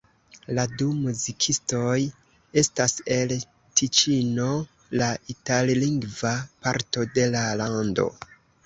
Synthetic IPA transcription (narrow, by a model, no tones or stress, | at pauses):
ladumuzikʰisto̞j | e̞stase̞l | tʰit͡ʃino̞ | laitalliŋɡvapaɾto̞de̞lalando̞̰